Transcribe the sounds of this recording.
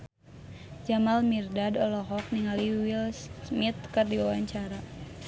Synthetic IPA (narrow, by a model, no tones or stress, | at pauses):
d͡ʒamalmirdadɔlɔɦɔk̚niŋaliwilsmit̪̚kərdiwawaɲt͡ʃaɾa